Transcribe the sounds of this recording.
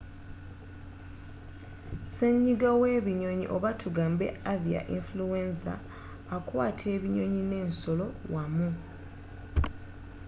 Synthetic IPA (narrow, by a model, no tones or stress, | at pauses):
seɲːiɡaweːβiɲo̞ɲḭʔo̞βatʰuɡaːmbe̞̰avia̰ʔiɱflue̞nsa̰ː | kwaːtʰe̞ːβiɲo̞ɲine̞ːnso̞lo̞wamu